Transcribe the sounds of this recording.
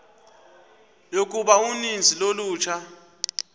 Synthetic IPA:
jok̬ʼuɓaunind͡zʱiloluːt͡ʃʰa

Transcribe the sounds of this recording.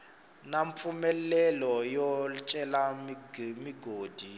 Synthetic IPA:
naɱp̪fumɛlɛlɔjɔt͡ʃʼɛlamiɡmiɡoːd̥ʱi

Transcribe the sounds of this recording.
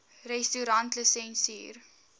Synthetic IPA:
rɛstuɾɐntləsɛnsḭːr

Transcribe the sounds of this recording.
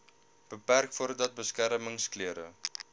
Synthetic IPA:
b̥əpærkfuəɾdɐt̚bəskæɾməŋskliəɾə̰

